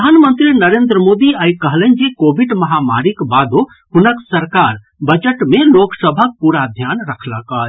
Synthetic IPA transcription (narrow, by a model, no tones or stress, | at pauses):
əd̪ʱaːnmənt̪ɾinəɾeːnd̪ɾəmoːd̪iajkəɦlənd͡ʒikoːbʱiɖməɦama̰ɾikbad̪o | ɦʊnəksəɾkaɾ | bəd͡ʒəʈmeloːksəbʱək̚puɾad̪ʱjaːnɾəkʰlakaːj